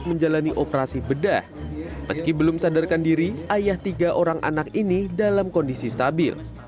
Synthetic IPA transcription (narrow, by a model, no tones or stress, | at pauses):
məɲd͡ʒalaniʔopəɾasibəda̰hməskibəlʊmsadarkandiɾiajaht̪iɡaʔoɾaŋʔa̰nakinidalamkɔndisist̪abɪ̰l